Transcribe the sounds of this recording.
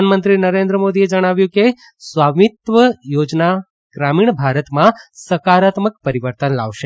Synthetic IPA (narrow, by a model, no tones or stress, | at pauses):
anmənt̪ɾinəɾẽnd̪ɾəmod̪ied͡ʒəɽ̃aʋjũke | sʋaʋit̪ʋəjod͡ʒna | ɡ̥ɾamiɳ̃bʱaɾət̪mãsəkaɾat̪məkpəɾiʋəɾt̪ənla̰ʋʃe